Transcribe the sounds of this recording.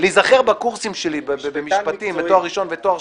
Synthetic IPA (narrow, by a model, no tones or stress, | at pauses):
lizaχeʁbakuʁsimʃelibbebemiʃpat̪imet̪oaχːiʃo̞nvet̪oa